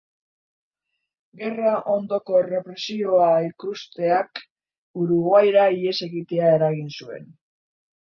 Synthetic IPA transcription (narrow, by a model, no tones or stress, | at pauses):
ɡe̞raʔo̞nd̪o̞ko̞re̞pɾe̞sio̞aikust̪e̞ak | uɾuɣajɾaie̞se̞ɣit̪e̞ae̞ɾaɣinsue̞̰n